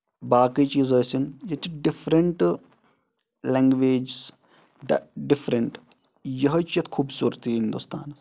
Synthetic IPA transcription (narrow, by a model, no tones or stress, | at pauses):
baːkit͡ʃiːzɐːsinjɐt̪iɖifʰɾɐɳʈ | lɛŋɡʋeːd͡ʒs | ɖifʰɾɐɳʈ | jɐɦɐt͡ʃjɐt̪kʰuːbsuːɾt̪iɦind̪ust̪a̰ːnɐs